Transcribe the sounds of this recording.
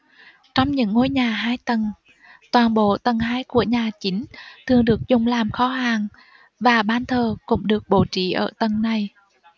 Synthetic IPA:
t͡ɕɔ˧wŋ͡mɲɨ̰˧˥ŋːo˧˦jɲaː˨˩ɦaː˧jt̪ə˨˩n | t̪waː˨˩nɓo̰˧˨t̪ə˨˩nɦaː˨˦jku˧˩əɲaː˨˩t͡ɕï˨˦ŋ̟t̪ʰɨ˨˩əŋɗɨ˨˩ək̚zʊ˨˩ŋ͡mlaː˨˩mxɔ˨˦ɦaː˨˩ŋ | vaː˨˩ɓaː˧˩nt̪ʰəː˨˩kʊ̰˧˥ŋ͡mɗɨ˨˩ək̚ɓo̰˧˨t͡ɕḭ˧˨ʔə̰ː˧˩t̪ə˨˩nna˨˩j

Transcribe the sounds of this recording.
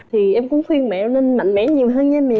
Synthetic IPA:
t̪ʰi˨˩ʔɛ˧mkʊ̰˧˥ŋ͡mxwi˧ənmɛ̰˧˨˧ne˧nma̰˧˨jŋ̟mɛ̰˧˥ɲi˨˩əwɦəː˧nɲa˧mi˨˩

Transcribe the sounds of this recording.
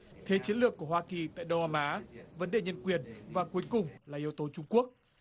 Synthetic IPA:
t̪ʰe˨˦t͡ɕi˨˦ənlɨ˨˩əkːu˧˩əɦwaː˧ki˨˩t̪a̰ː˧˨jɗə˧wʔaː˧mʔaː˨˦və˨˦nɗe˧˨˩ɲə˧nkwi˨˩ənvaː˨˩ku˨˦jkʊ˨˩ŋ͡mlaː˨˩ʔi˨˦əwt̪o˨˦t͡ɕʊ˧ŋ͡mku˦˥ək̚

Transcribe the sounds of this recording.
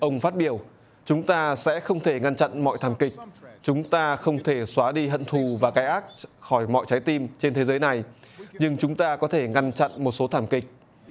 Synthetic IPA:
ʔə˧wŋ͡mfaː˦˥t̚ɓi˧˩əw | t͡ɕʊ˨˦ŋ͡mt̪aː˧sɛ̰˧˥xə˧wŋ͡mt̪ʰe˧˩ŋa˧nt͡ɕa̰˧˨nmɔ̰˧˨jt̪ʰaː˧˩mkï˨˩k̚t͡ɕʊ˨˦ŋ͡mt̪aː˧xə˧wŋ͡mt̪ʰe˧˩swaː˨˦ɗi˧hə̰˧˨nt̪ʰu˨˩vaː˨˩kaː˨˦jʔaː˦˥t̚xɔ˧˩jmɔ̰˧˨jt͡ɕa˨˦jt̪i˧mt͡ɕe˧nt̪ʰe˨˦zəː˨˦jna˨˩jɲɨ˧ŋt͡ɕʊ˨˦ŋ͡mt̪aː˧kɔ˨˦t̪ʰe˧˩ŋa˧nt͡ɕa̰˧˨nmo˨˩t̚so˨˦t̪ʰaː˧˩mkï˨˩k̟̚

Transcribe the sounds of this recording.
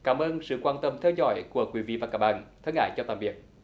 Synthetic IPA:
kaː˧˩mʔəː˧nsɨ̰˧˨kwaː˧nt̪ə˧mt̪ʰɛ˧wzɔ̰˧˩jku˧˩əkwi˧˦vḭ˧˨vaː˨˩kaː˦˥˩k̚ɓa̰ː˧˨nt̪ʰə˧˦ŋʔha̰ː˧˩jt͡ɕɔ˧t̪a̰ː˧˨mvi˨˩ət̚

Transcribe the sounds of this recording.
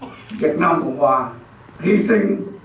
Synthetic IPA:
ʋi˨˩ət̪̚naː˧mkɔ˨˩waː˧ | ɾi˧si˥˧˩ŋ

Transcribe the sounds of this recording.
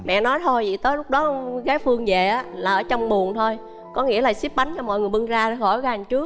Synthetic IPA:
mɛ̰˧˨nɔ˨˦jt̪ʰo˧jvḭ˧˨˩t̪əː˨˦jlʊ˦˥k͡p̚ɗɔ˨˦ɣaː˨˦jfɨ˧əŋzḛ˨˩ʔaː˨˦laː˨˩ʔəː˧˩˦t͡ɕɔ˧wŋ͡mɓu˨˩ənt̪ʰo˧j | kɔ˨˦ŋḭ˧˥əlaː˨˩si˦˥p̚ɓa˨˦jŋt͡ɕɔ˧mɔ̰˧˨ŋɨ˨˩əjɓɨ˧ŋzaː˧˨˦xɔ˧˩jɣa˨˩ŋt͡ɕɨ˦˥ək̚

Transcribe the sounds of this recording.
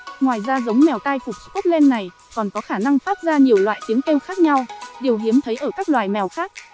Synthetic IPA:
ŋwaː˨˩jzaː˧zə˨˦wŋ͡mmɛ˨˩wt̪aː˧jfu˨˩t͡ɕku˦˥lɛ˧nːa˨˩j | kɔ˨˩nkɔ˨˦xaː˧˩na˧ŋfaː˦˥t̚zaː˧ɲi˨˩əwlwa̰ː˧˨jt͡ɕ̪i˨˦əŋke˧wxaː˦˥k̚ɲa˧wɗe˨˩əwɦi˨˦əmt̪ʰə˨˦jʔəː˧˩kaː˦˥k̚lwaː˨˩jmɛ˨˩wxaː˦˥k̚

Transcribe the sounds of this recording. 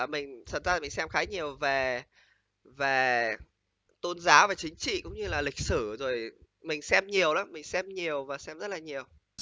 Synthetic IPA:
mï˨˩ŋ̟t̪ʰə˨˩zaː˧˨mï˨˩ŋ̟sɛ˧mxaː˨˦ɲi˨˩əwve˨˩ | ve˨˩ | t̪o˧nzaː˨˦wvaː˨˩t͡ɕï˨˦ŋ̟t͡ɕḭ˧˨kʊ̰˧˥ŋ͡mɲɨ˧laː˨˩lï˨˩k̟̚sɨ˧˩zo˨˩j | mï˨˩ŋ̟sɛ˧mɲi˨˩əwlaː˨˦mï˨˩ŋ̟sɛ˧mɲi˨˩əwvaː˨˩sɛ˧mzə˦˥t̚laː˨˩ɲi˨˩əw

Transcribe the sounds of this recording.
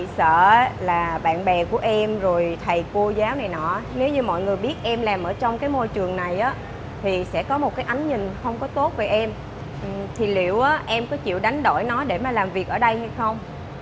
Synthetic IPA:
sə̰ː˧˨˦laː˨˩ɓa̰ː˧˨nɓɛ˨˩ku˧˩əʔɛ˧mzo˨˩jt̪ʰə˨˩jko˧zaː˨˦wna˨˩jnɔ̰˧˩ne˨˦wɲɨ˧mɔ̰˧˨jŋɨ˨˩əjɓi˦˥ət̚ʔɛ˧mlaː˨˩mʔəː˧˩t͡ɕɔ˧wŋ͡mkaː˨˦jmo˧jt͡ɕɨ˨˩əŋna˨˩jʔaː˨˦ | t̪ʰi˨˩sɛ̰˧˥kɔ˨˦mo˨˩t̚kaː˨˦jʔa˨˦jŋ̟ɲï˨˩ŋ̟xə˧wŋ͡mkɔ˨˦t̪o˦˥t̚ve˨˩ʔɛ˧m˨˩ | t̪ʰi˨˩lḭ˧˩˨əwʔaː˨˦ʔɛ˧mkɔ˨˦t͡ɕḭ˧˨wɗa˨˦jŋ̟ɗo̰˧˩jnɔ˨˦ɗe˧˩maː˨˩laː˨˩mvi˨˩ək̚ʔəː˧˩ɗə˧jha˧jxə˧wŋ͡m

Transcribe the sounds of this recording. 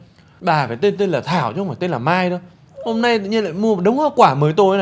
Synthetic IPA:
ɓaː˨˩faː˨˩jt̪e˧nt̪̬e˧nlaː˨˩t̪ʰaː˧˩wt͡ɕɔ˧ŋ͡mfaː˧˩t̪e˧nlaː˨˩maː˧jɗo˨˧˦ | ho˧mna˧jt̪ɨ̰˧˨ʔɲi˧la̰ː˧˨jmu˧ə˨˩ɗɨ˨˦wŋ͡mhaː˧˩wkwaː˧˩məː˨˦jt̪o˧jn˨˩

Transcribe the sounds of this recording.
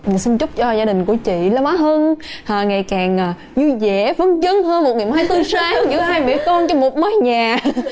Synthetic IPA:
si˧nt͡ɕʊ˦˥k͡p̚t͡ɕɔ˧zaː˧ɗï˨˩ŋ̟ku˧˩ət͡ɕḭ˧˨la˨˧wŋ͡mʔa˨˦ɦəː˧nhaː˨˩ŋa˨˩jkaː˨˩ŋʔaː˨˩ | ɲɨ˧zɛ̰˧˩˥və˨˧˦nt͡ɕə˧nɦəː˧nmo˨˩t̚ŋi˨˩əmaː˧jt̪ɨ˧saː˧˨˧zɨ̰˧˥ɦaː˧jɓe˧˩kɔ˧nt͡ɕɔ˧mo˨˩t̚məː˨˦jɲaː˨˩

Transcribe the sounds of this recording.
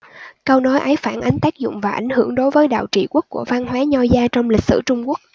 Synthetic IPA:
kə˧wnɔ˨˦jʔə˨˦jfaː˧˩nʔa˨˦jŋ̟t̪aː˦˥k̚zʊ̰˧˨ŋ͡mvaː˨˩ʔa̰˧˩jŋ̟hɨ˧˩əŋɗo˨˦jvəː˨˦jɗa̰ː˧˨wt͡ɕḭ˧˨ku˦˥ək̚ku˧˩əvaː˧nɦwaː˨˦ɲɔ˧zaː˧t͡ɕɔ˧wŋ͡mlï˨˩k̟̚sɨ̰˧˩t͡ɕʊ˧ŋ͡mku˦˥ək̚

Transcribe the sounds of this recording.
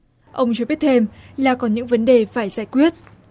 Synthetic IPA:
ʔə˧wŋ͡mt͡ɕo˧ɓi˦˥ət̚t̪ʰe˧mlaː˨˩kɔ˨˦nɲɨ̰˧˥ŋvə˨˦nɗe˨˩faː˧˩jzaː˧˩jkwi˦˥ət̚

